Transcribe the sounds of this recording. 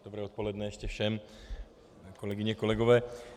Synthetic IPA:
d̪obɾɛːot̪polɛdnɛjɛʃcɛfʃɛm | ko̞lɛɡɪɲɛko̞lɛɡovɛː

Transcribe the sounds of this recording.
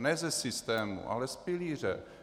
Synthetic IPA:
nɛːzɛsɪst̪ɛːmṵʔa̰lɛspɪliːr̝ɛ̰

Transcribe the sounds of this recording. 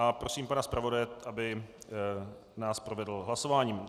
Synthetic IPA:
ʔapɾo̞siːmpanaspɾavo̞dajɛʔabɪ | naːspɾo̞vɛdl̩ɦlaso̞vaːɲiːm

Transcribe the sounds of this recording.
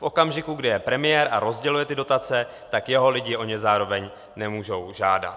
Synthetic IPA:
fʔo̞kamʒɪkuɡdɪjɛpɾɛmɪjɛɾʔaɾo̞zɟɛlujɛt̪ɪdo̞t̪at͡sɛ | t̪akjɛɦo̞lɪɟɪʔo̞ɲɛzaːɾo̞vɛɲ | nɛmuːʒo̞wʒaːda̰t̪

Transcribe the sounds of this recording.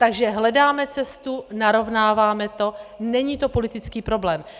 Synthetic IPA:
t̪aɡʒɛɦlɛdaːmɛt͡sɛst̪unaɾo̞vnaːvaːmɛt̪o̞nɛɲiːt̪o̞po̞lɪt̪ɪt͡skiːpɾo̞blɛːm

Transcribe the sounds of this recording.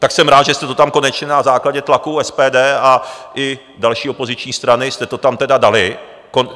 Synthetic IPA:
t̪aksɛmɾaːd̪ʒɛst̪ɛt̪o̞t̪amko̞nɛt͡ʃɲɛnazaːklaɟɛt̪lakuɛspɛːdɛːaʔɪ | dalʃiːopo̞zɪt͡ʃɲiːst̪ɾanɪst̪ɛt̪o̞t̪amt̪ɛdadalɪ | kon

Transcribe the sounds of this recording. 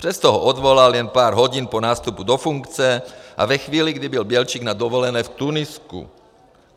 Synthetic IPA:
pr̥ɛst̪ɔɦɔʔɔd̪ʋɔlaljɛnpaːɾɦɔɟinpɔnaːst̪upud̪ɔfuŋkt͡sɛʔa̰vɛxʋiːliɡd̪ibɪlbɪɛlt͡ʃiːɡnad̪ɔʋɔlɛnɛːft̪unɪskṵ

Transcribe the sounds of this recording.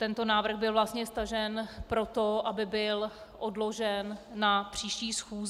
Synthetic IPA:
t̪ɛnt̪o̞naːvr̩ɣbɪlvlast̪ɲɛst̪aʒɛnpɾo̞t̪o̞ʔabɪbɪl | ʔodlo̞ʒɛnːapr̝̥iːʃciːsxuːz

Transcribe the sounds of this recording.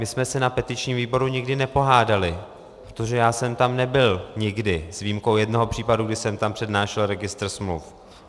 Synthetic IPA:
mɪsmɛsɛnapɛt̪ɪt͡ʃɲiːmviːbo̞ɾuɲɪɡdɪnɛpo̞ɦaːdalɪ | pɾot̪oʒɛjaːsɛmt̪amnɛbɪlɲɪɡdɪzviːmkowjɛdno̞ɦopr̥iːpaduɡdɪsɛmt̪ampr̥ɛdnaːʃɛlɾɛɡɪst̪r̩smlṵf

